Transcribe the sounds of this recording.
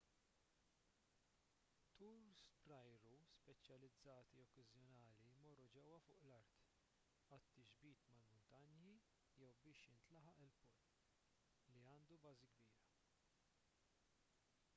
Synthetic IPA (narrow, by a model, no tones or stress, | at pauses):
t̪uːɾspɾɐjɾuspɛt͡ʃːjɐlɪd͡zːɐːt̪iɔkːɐzjɔnɐːlimɔrːud͡ʒɛwːɐfʊːʔlɐɾt̪ | ɐt̪ːid͡ʒbiːt̪mɐlmʊnt̪ɐnji | jɛwbɪːʃjɪnt̪lɐħɐʔɪlpɔ | liɐːnd̪ubɐːziɡbiːɾɐ